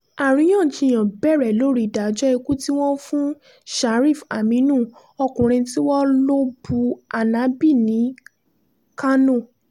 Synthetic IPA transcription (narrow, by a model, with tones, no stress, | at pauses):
a˨ɾ̃ĩ˨˧˦j̃ã˦˨d͡ʒĩ˧˨j̃ã˨bɛ˦˨ɾɛ˨lo˦ɾi˦˨da˨˦d͡ʒɔ˦e˧ku˦ti˦w̃ɔ̃˦fũ˦ | ʃa˨˦ɾi˦˨fa˨mĩ˨˦nũ˦˨ | ɔ˧kũ˨ɾ̃ĩ˧ti˦wɔ˦lo˦bu˧a˨nã˨˦bi˦˨nĩ˨˦ | ka˦nõ˦˨